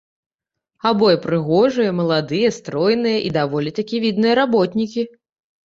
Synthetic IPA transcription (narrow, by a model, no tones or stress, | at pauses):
abɔjɛpɾɨɣɔʐɨjɐmɐlˠad̪ɨjɐst̪ɾɔjnɨjɐʔid̪avɔlʲit̪akʲivʲid̪nɨjɐɾabɔt̪nʲikʲi